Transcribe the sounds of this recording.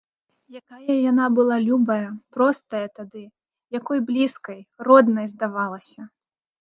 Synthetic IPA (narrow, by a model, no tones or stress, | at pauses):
jakajɐjanabɨlˠalʲubɐjɐpɾɔst̪ɐjɐt̪ad̪ɨ | jakɔjblʲiskɐjrɔd̪nɐjzd̪avalˠɐsʲɐ